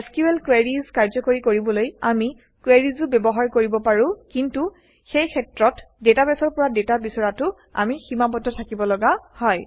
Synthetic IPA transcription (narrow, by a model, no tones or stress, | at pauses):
skuɛlkwɛɹizkaɹzɔkoɹikoɹibɔloja̰mi | kwɛɹizʊbɛbɔɦaɹkoɹibɔpaɹʊ̃kintu | xejkʰɛtɹɔt | dɛtabɛsɔɹpɔɹadɛtabisɔɹatʊ | a̰miximapɔtɔtʰakibɔlɔɡahɔj